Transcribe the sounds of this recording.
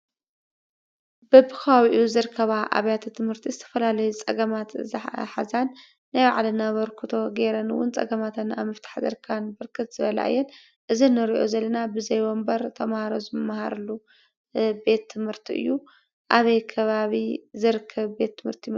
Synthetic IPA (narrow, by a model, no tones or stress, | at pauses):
bɐbɨkʰɐβaβiʔuzɨɾɨkʰːɐβaʔa̰βjat̪ʰt̪ʰɨmhɨɾt̪ʰizɨt̪ʰɐ̥fɐlalɐjut͡sʼɐɡɐmat̪zħazanː | ajbaʕalɐnaβɐɾkʰut̪ʰo̞ɡe̞ɾɐnwʊ̰nt͡sʼɐ̰ɡɐmat̪ʰɐna̰βmɐft̪ʰḁħzɐ̰ɾkʰanbɨɾkʰɨt̪z̥ɨβɐla̰ʔɨ̰jːɛn | ʔɨzinɨɾiʔo̞̰zɐlːɐnabɨzɐjwombɐɾt̪ʰɐmahaɾozɨmmːahaɾɐlːu | be̞t̪ʰːɨmhɨɾt̪ʰiʔɨ̰jːu | ʔaβɐjkʰɐβaβizɨɾɨkʰːɐβbe̞t̪ːɨmhɨɾt̪ʰim